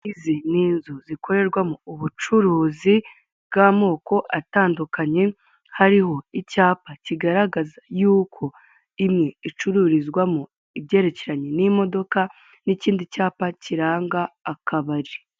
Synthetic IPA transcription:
iziniːnzuzikʰo̞ɾe̞ɾɡwamuuβut͡ʃuɾuːzi | bɡamo̞ːko̞ʔataːndukaɲe̞ | haɾiɦo̞icaːpaciɡaɾaɡazajuːkʰo̞ | imŋe̞it͡ʃuɾuɾizɡwamu | ibɟe̞ːɾe̞ceɾaɲenimo̞do̞ka | niciːndicaːpaciɾaːŋɡaːkʰaβaɾi

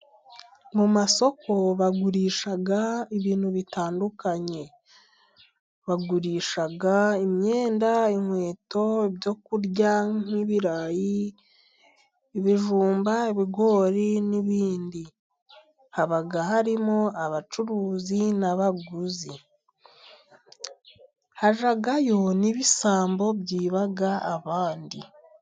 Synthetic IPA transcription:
mumaso̞ko̞βaɡuɾiːʃaɡaiβiːn̥huβitaːndukaɲe̞ | βaɡuɾiːʃaɡaimɲeːndaiŋwe̞ːto̞eβjo̞kuɾɟaŋ̥iβiɾaji | βiʒuːmbaeβiɡo̞ːɾiniβiːndi | haβaɡahaɾimoaβat͡ʃuɾuːzinaβaɡuzi | haʒaɡajo̞niβisaːmbo̞bjiːβaɡaːβaːndi

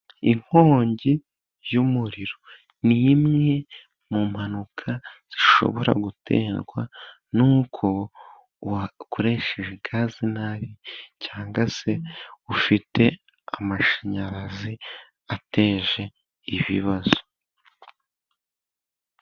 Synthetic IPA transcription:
iŋ̥ho̞ːɲɟi | jumuɾiɾo̞ | nimŋe̞ | mumhanukʰaz̥iʃo̰βo̞ɾa̰ɡutʰe̞̰ːnɡwa | nuːkʰo̞ | kuɾe̞ʃeʒeɡaːzinaβicaːŋɡase̞ufite̞ | amaʃaɲaɾazi | ate̞ːʒe̞ | iβiβazo̥

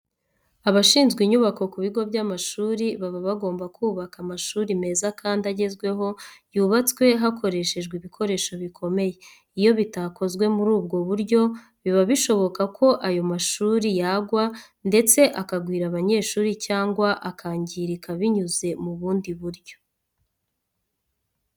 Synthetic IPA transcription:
aβaʃiːnzɡwiɲuβako̞kuβiɡo̞bjamaʃuːɾiβaβaβaɡo̞ːmbakʰuːβakamaʃuːɾime̞ːzakʰaːndaɟe̞zɡwe̞ɦo̞juːβat͡skwe̞ɦakʰo̞ɾe̞ʃe̞ʒɡwiβikʰo̞ɾe̞ːʃo̞βikʰo̞me̞je̞ | ijo̞βitako̞zɡwe̞muɾuːbɡo̞βuɾɟo̞ | βiβaβiʃo̞βo̞kakʰo̞ʔajo̞maʃuːɾijaɡwa | nde̞t͡se̞ʔakaɡwiːɾaβaɲe̞ːʃuːɾicaːŋɡwaʔakʰaːɲɟiɾikʰaβiɲuze̞muβuːndiβuɾjo̞̥

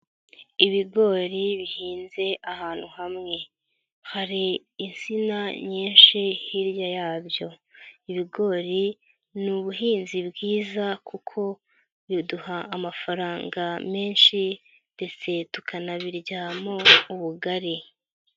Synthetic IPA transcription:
iβiɡo̞ːɾiβihiːnze̞ʔahaːn̥huhamŋe̞ | haɾiːnsinaɲiːnʃihiɾjajaːβjo̞iβiɡo̞ːɾi | nuβuɦiːnzibɡiːzakʰukʰo̞ | βiduhaːmafaɾaːŋɡame̞ːnʃi | nde̞t͡se̞tu̥kanaβiɾɟamouβuɡaɾi

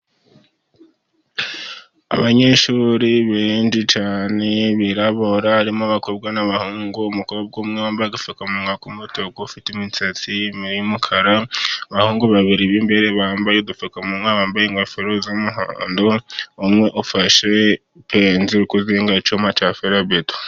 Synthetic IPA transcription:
a̰βaɲe̞ʃuɾiβend͡ʒit͡ʃaːne̞βiɾaβoɾaaɾimoβakobɡwanaβahuːŋɡuːmukoβob̚ɡomŋeβaːmbajeɡufakamuŋakumutokoufitemit͡sat͡simiɾijumukʰaɾaaβahuːŋɡuβaβiɾiβimbe̞ɾe̞βaːmbajoɡufakamumaβaːmbajeŋɡafeɾozomuɦa̰ːndoumŋe̞ʔufaʃe̞ | pʰenziɾukuzeŋɡat͡ʃumat͡ʃafeɾabeto̥

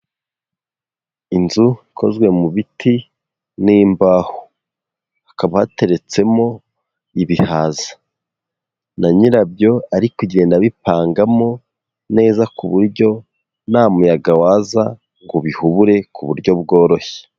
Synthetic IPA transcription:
inzuikʰo̞zɡwe̞muβiti | niːmbaːho̥ | akaβahate̞ɾe̞t͡se̞mo̞ | iβihaːzḁ | naɲiɾabjo̞aɾikuɟɾeendaβipaːŋɡamo̞ | ne̞ːzakuβuɾɟo̞ | naːmujaɡawaːza | ŋɡuβihuβuɾe̞kuβuɾɟo̞bɡo̞ːɾo̞çe̥

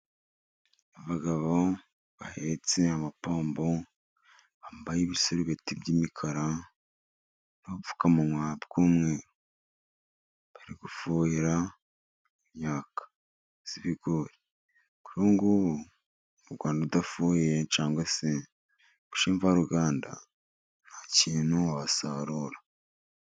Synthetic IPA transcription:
aβaɡaβo | βa̰het͡seamapoːmbo | βambajiβisoɾiβetibɟiːmikʰaɾa | noβufu̥kamunwabɡ̥uːmŋeːɾo | βaɾiɡ̥ufuːhiɾa | mɲaːkḁ | z̥iβiɡoɾe | ku̥ɾuːŋɡuβ | uɾɡwaːndaudafuːhejet͡ʃaːŋɡwase | βu̥ʃiːɱvaɾuɡaːnda̰ | nhacinoβasaɾuɾa

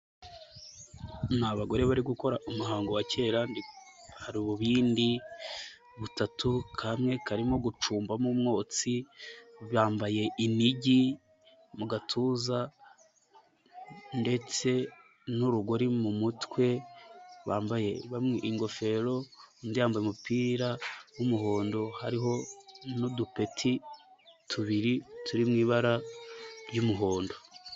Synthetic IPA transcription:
naβaɡo̞ɾe̞βaɾiɡuko̞ɾaʔumuɦaːŋɡowace̞ːɾandi | haɾiβuβiːndi | βutatukʰamŋe̞kaɾimo̞ɡut͡ʃuːmbamumŋo̞ːt͡si | βaːmbaje̞ʔiniɟi | muɡatʰuza | nde̞t͡se̞ | nuɾuɡoɾimumutwe̞ | βaːmbaje̞βamŋeʔiŋɡo̞fe̞ɾo̞ndijaːmbajemupiːɾawumuɦo̞ːndo̞haɾiɦo̞nudupe̞tʰi | tʰuβiɾitʰuɾimŋiːβaɾaɾɟumuɦo̞ːndo̞

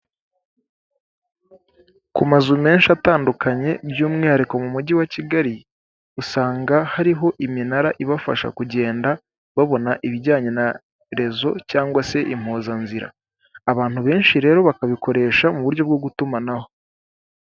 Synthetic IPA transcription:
kumazume̞ːnʃataːndukaɲe̞bjuːmŋaaɾiko̞mumuɟiwaciɡaɾi | usaːŋɡahaɾiɦo̞ʔiminaɾaʔiβafa̰ʃa̰kuɟe̞ːnda | βaβo̞naʔiβiɟaːɲe̞na | ɾe̞zo̞caːŋɡwase̞ʔim̥hoːzanziɾa̰ | aβaːn̥huβe̞ːnʃiɾe̞ːɾo̞βakaβiko̞ɾe̞ːʃamuβuɾjo̞bɡo̞ɡutumanaho̞

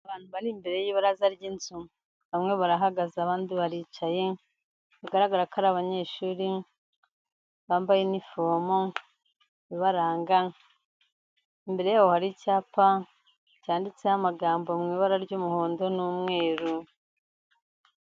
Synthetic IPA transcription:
aβaːn̥huβaɾimbe̞ɾe̞jiβaɾazaɾɟiːnzu | βamŋe̞βaɾaɦaɡazaːβaːndiβaɾiːt͡ʃaje̞ | βaɡaɾaɡaɾakaɾaβaɲe̞ːʃuːɾi | βaːmbajenifomo | βiβaɾaːŋɡa | imbe̞ɾe̞jawohaɾicaːpa | caːndit͡sehamaɡaːmbomŋiːβaɾaɾɟuːmuho̞ːndo̞nuːmŋe̞ːɾu

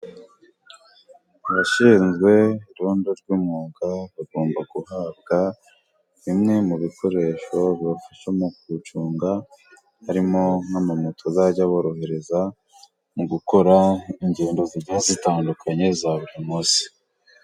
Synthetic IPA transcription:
βaʃiːnzɡwe̞iɾuːndoɾɟuːmuːɡaβaɡo̞ːmbaɡuhaːb̚ɡa | βimŋe̞muβikʰo̞ɾe̞ːʃo̞βjofiʃomukut͡ʃuːŋɡa | haɾimo̞ŋ̥hamamutʰozaɟaβo̞ɾo̞ɦe̞ɾe̞za | muɡuko̞ɾaiɲɟeːndo̞ziɾɟazitaːndukʰaɲe̞zaβuɾimuːsi̥

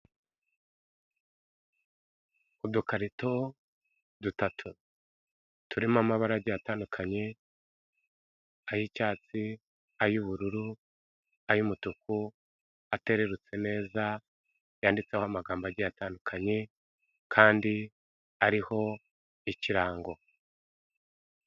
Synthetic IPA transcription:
udukaɾito̞ | dutatʰu | tuɾimamaβaɾaɟajataːndukʰaɲe̞ | ajicaːt͡si | ajuβuɾuɾu | ajumutuku | ate̞ɾe̞ɾut͡se̞ne̞ːza | jaːndit͡sehoamaɡaːmbaɟajataːndukʰaɲe̞ | kʰaːndi | aɾiho̞ | iciɾaːŋɡo̞

